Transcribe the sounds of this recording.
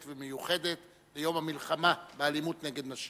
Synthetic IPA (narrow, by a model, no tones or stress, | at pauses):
t̪vemejuχe̞d̪et̪ | bejo̞mhamilχamabealimut̪neɡe̞d̪naʃ